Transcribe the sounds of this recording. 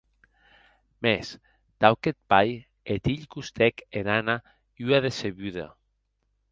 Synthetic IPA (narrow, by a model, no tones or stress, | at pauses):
mes | t̪awket̪̚paj | et̪iʎkust̪ɛkenana | yaðeseβyða̰